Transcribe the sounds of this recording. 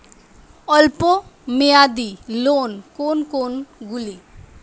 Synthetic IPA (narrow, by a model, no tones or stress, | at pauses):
ɔlpomejad̪ilonkonkonɡuli